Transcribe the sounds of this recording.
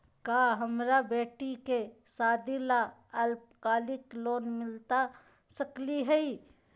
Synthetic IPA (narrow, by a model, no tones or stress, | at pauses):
kaɦəmɾabeːʈikesaːd̪ilaəlp̚kaːlɪkloːnmɪlt̪a | səkliɦɛi